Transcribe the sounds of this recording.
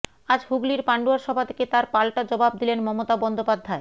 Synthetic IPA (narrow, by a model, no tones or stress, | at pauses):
ad͡ʑhuɡliɾpaɳɖuaɾʃɔbʱat̪ʰe̥ket̪aɾpalʈad͡ʑɔbab̚d̪ilenmɔmot̪abɔnd̪opad̪ʱːae